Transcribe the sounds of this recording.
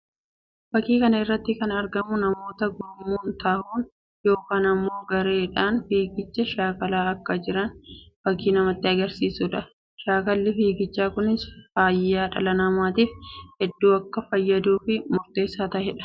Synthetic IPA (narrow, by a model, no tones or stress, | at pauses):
b̥ɐkːiːkɐnɐɪrːɐt̪ːɪkɐnɐɾɡɐmʊnɐmo̞ːt̪ɐɡʊɾmːuːnt̪ahuːn | jo̞ːkaːnɐmːo̞ːɡɐɾe̞ːᶑaːnfiːɡɪt͡ʃːɐʃaːkɐlaːɐkːɐd͡ʒɪɾɐnb̥ɐkːiːnɐmɐt̪ːɪɐɡɐɾsiːsʊᶑɐ | ʃaːkɐlːɪfiːɡɪt͡ʃːaːkʊnɪsfaːjːaːᶑɐ̰lɐnɐmaːt̪iːfhɛd̪ːuːɐkːɐfɐjːɐd̪uːfɪmʊɾt̪e̞ːsːaːt̪ɐhɛᶑɐ̥